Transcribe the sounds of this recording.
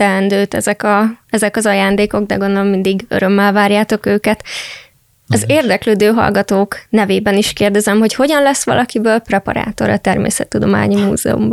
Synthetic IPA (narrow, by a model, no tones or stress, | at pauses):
t̪ɛlɛnd̪øːt̪ɛzɛkɒɛzɛkɒzɒjaːnd̪eːko̞ɡ̚d̪ɛ̰ɡo̞nd̪olomːind̪iɡø̰ɾø̞mːɛlvaːrjaːt̪o̞køːkɛt̪ | ɒzeːrd̪ɛkløːd̪øːɦɒ̰lɡɒt̪oːknɛveːbɛniʃkeːrd̪ɛzɛmɦo̞cho̞ɟɒnlɛsʋɒ̰lʔɒkibøːlprɛpɒ̰ɾa̰ːt̪o̞̰ɾɒt̪ɛrmḛːsɛt̪ːud̪o̞ma̰ːɲimṵːzɛ̰ṵmbɒ